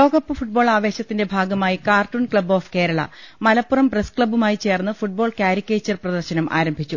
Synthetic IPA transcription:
lo̞ːɡɐpːɨfuʈ̚bo̞ːɭaːʋe̞ːɕɐt̪ːinde̞bʱaːɡɐmaːjikaːrʈunkɭɐbo̞ːfke̞ːɾɐɭɐ̰mɐlɐpːurɐmpreskɭɐbumaːjit͡ɕe̞ːrnːɨfuʈ̚bo̞ːɭkʲjaːɾikʲːeːt͡ɕːɐrprɐd̪ɐrɕɐnɐmʔa̰ːɾɐmbʱit͡ɕːu

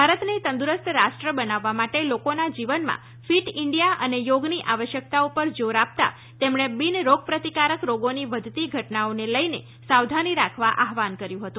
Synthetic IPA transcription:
bʱaɾət̪net̪ə̃nd̪uɾəst̪ɾaʃʈɾəbənaʋːamaʈelokonad͡ʒiʋənmã̰ | fiʈɪɳɖijaʔə̰nejoɡniʔaʋəʃjək̚t̪aupəɾd͡ʒoɾap̚t̪a̰ | t̪emɳebinɾoɡ̚pɾət̪ikaɾəkɾoɡoniʋəd̪ʱt̪iɡʱəʈnaoneləjne | sawd̪ʱaniɾakʰʋaʔaɦʋankəɾjũɦət̪ũ

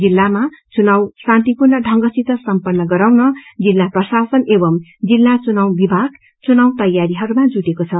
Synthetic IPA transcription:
d͡zilːamat͡sunawsant̪ipurnʌɖʱʌŋɡʌsit̪ʌsʌmpʌnːʌɡʌɾawnʌd͡zilːaprʌsasʌnebʌmd͡zilːat͡sunawbibʱaɡ | t͡sunawt̪ʌjaɾiɦʌɾumad͡zuʈekot͡sʰʌ

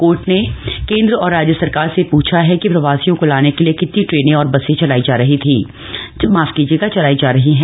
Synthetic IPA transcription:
koːɾʈnekẽːnd̪ɾəɔːɾːaːd͡ʒjəsɐɾkaːɾsepuːt͡ʃʰaɦɛkipɾɐʋaːsijõkolaːnekeliekɪt̪niʈɾeːnẽɔːɾbɐsẽt͡ʃɐlaːid͡ʒaːɾɐɦit̪ʰi | maːfkiːd͡ʒeːɡat͡ʃɐlaːid͡ʒaːɾɐɦiɦɛ̃ː

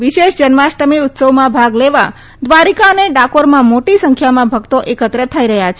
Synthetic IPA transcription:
ʋiʃeʃd͡ʒənʋaʃʈəmiʊt̪səʋmãbʱaɡleʋa | d̪ʋaɾikaəneɖakoɾmãmoʈisəŋkʰjamãbʱəɡt̪oʔekət̪ɾət̪ʰəiɾəɦjat͡ʃʰe

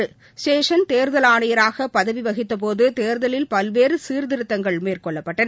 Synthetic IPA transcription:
ɯ | sʈeːʂɐnt̪eːɾðɐlaːɳɐjɐɾaːɣɐpɐðɐʋiʋɐɣɪt̪ːɐp̬oːðɯt̪eːɾðɐlɪlpɐlʋeːɾɯsiːɾðɪɾɯt̪ːɐŋɡɐɭmeːrkɔɭːɐpːɐʈːɐn

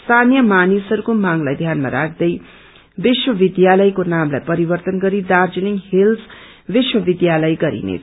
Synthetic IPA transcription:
st̪ʰanijʌmanisʌɾukomaŋlajd̪ʱjanma̰ɾa̰kʰd̪ʌj | biswʌbid̪jalʌjkonamlajpʌɾibʌrt̪ʌnɡʌɾid̪ard͡ziliŋhils | biswʌbid̪jalʌjɡʌɾḭnḛt͡sʰ

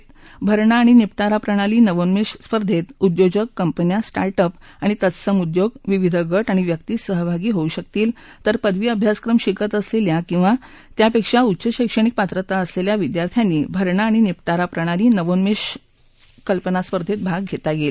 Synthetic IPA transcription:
bʱəɾɳaːɽ̃inipʈaɾapɾəɽ̃aliːnəʋonmiʂspəɾd̪ʱet̪ud̪jod͡ʑəkːəmpənjasʈaɾʈəp | aɽ̃it̪ət̪səmud̪joɡʋiʋid̪ʱəɡəʈaɽ̃iʋjək̚t̪iːsəɦəbʱaɡiːɦouɕək̚t̪iːl | t̪əɾpəd̪ʋiːəbʱjaskɾəmɕikət̪əsleljakĩw̃ʋa | t̪japekʂaut̪ːɕəɕəjkʂəɽ̃ik̚pat̪ɾət̪aəsleljaʋid̪jaɾt̪ʰjanːiːbʱəɾɳaːɽ̃inipʈaɾapɾəɽ̃aliːnəʋonmeʂ | kəlpənaspəɾd̪ʱet̪̚bʱaɡ̚ɡʱet̪aɡel

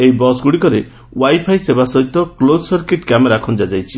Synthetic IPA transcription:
ejbɔsɡuɽikɔɾe | wajpʰajsebasɔɦit̪ɔklod̪sɔɾkeʈkameɾakʰɔnd͡ʒad͡ʒajt͡ʃʰi

